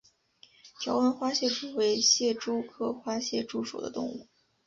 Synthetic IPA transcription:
t͡ɕʰjɑ˧˥ʊwə˧˥nxwa˥ɕjɛ˥˩ʈ͡ʂu˨˩we˧˥ɪɕjɛ˥˩ʈ͡ʂo˥ʊkʰɤ˥˩xwa˥ɕjɛ˥˧ʈ͡ʂu˥˩ʂṵ˨˩d̪ə̰˦t̪ʊ˥˧ŋu˥˩

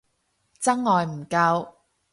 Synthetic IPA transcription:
t͡sɐ˥ŋːɔː˨jm̩˨˩kɐ˧w

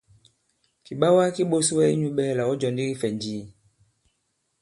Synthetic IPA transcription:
ki˨ɓa˦wa˦ki˦ɓo˦su˦wɛ˦i˦ɲu˦ɓɛ˦˨la˨wɔ˦d͡ʒɔ˨ndi˦ki˦fɛ˨ɲd͡ʒiː˦˨

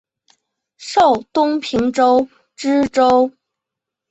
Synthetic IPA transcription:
ʂo˥˩ʊt̪ʊ˥ŋpʰi˧˥ŋʈ͡ʂo˥ʊ | ʈ͡ʂɻ̩˥ʈ͡ʂo˥ʊ

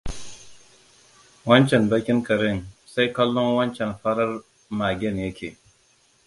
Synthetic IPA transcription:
wɐ˦nt͡ʃɛ˨nbɐ˦kʲɪ˦ŋkɐ˨ɾɪ˦˨nsa˦jkɐ˦lːɔ˦ŋwɐ˦nt͡ʃɛ˨nɸɐ˦ɽɐ˦r | maː˨ɡʲɛ˦njɐ˦kʲʰeː˨

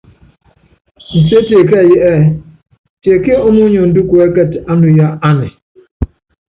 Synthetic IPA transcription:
n̩˨se˦te˨k̬e˦˨je˦ʔe˦˨ | te˨ke˦o˦nu˦ɲe˨n̩˨du˦ko˨e˦ke˦˨ta˦nʊ˨ja˦a˦nɪ˨

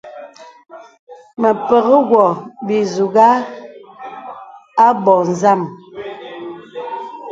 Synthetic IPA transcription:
mə˨pə˨ɣə˦ɡwɔ˨bi˨zu˨ɡa˦ | a˦bɔ˨n̩˨za˦˨m

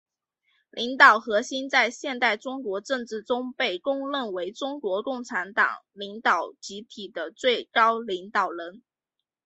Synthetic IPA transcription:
lʔi˧˥ŋt̪ɑ˨˩ʊxɤ˧˥ɕi˥nt͡sa˥˧ɪɕjɛ˥˧nt̪a˥˩ɪʈ͡ʂʊ˥ŋkwɔ˧˥ʈ͡ʂɤ˥˧ŋʈ͡ʂɻ̩˥˩ʈ͡ʂʊ˥ŋpe˥˩ɪkʊ˥˧ŋlə˥˩nwe˧˥ɪʈ͡ʂʊ˥ŋkwɔ˧˥kʊ˥˩ŋʈ͡ʂʰa˧˥nt̪ɑ̰˨˩ŋli˧˥ŋt̪ɑ˨˩ʊt͡ɕi˧˥t̪ʰi˨˩d̪ə˦t͡swe˥˩ɪkɑ˥ʊli˧˥ŋt̪ɑ˨˩ʊɻə˧˥n

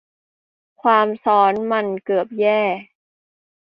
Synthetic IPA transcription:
kʰwaː˧msɔː˦˥nma˧nkɤː˨˩əp̚jɛː˥˩

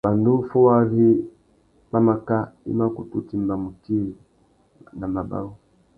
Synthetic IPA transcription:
ba˨ndu˦fu˦wa˦vi˦ | ba˦ma˨ka˦ḭ˦ma˦ku˨tu˦ti˦mba˨mu˨ki˦˨ | na˨ma˨ba̰˦u˦

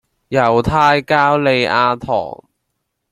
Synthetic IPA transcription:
jɐ˨˩wt̪ʰaː˧jkaː˥wle˨˧jʔaː˧t̪ʰɔ̰ː˨˩ŋ

